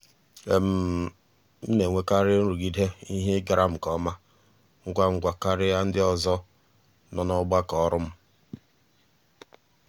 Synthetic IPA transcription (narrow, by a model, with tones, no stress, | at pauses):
e˨m̩˦ | m̩˦ne˨ŋʷe˦ka˦ɾɪ˦n̩˦ɾu˨ɡi˦dɦe˦i˦ɦe˦ɡa˨˦ɾa˦m̩˨kɔ˦ma˦ | ŋ̩˦ɡʷa˦ŋ̩˨ɡʷa˨ka˦ɾɪ˦ja˦n̩˦dɪ˦ɔ˦zɔ˦ | nɔ˨nɔ˦ɡ͡ba˦kɔ˨˦ɾʊ˦m̩˦